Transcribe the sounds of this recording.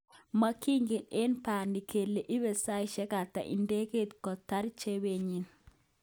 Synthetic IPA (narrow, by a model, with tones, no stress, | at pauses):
ma˦ki˦ŋɡe˨ne˦npa˨ndi˨kʰe˨lːe˨ʔi˦βe˨sa˦i˦ʃɛ˦ka˨ta̰˨ʔḭ˨nde˦ke˦t̪kɔ˨ta˦ɾt͡ʃe˦be˦ɲi˨n